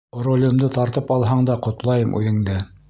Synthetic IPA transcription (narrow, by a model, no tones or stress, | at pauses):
rolʲɘ̆md̪ɤt̪ɑɾt̪ɤpɑlˠɦɑɴd̪ɑqŏt̪lˠɑjɤmʔʉ̰ðɘ̆ŋd̪ɘ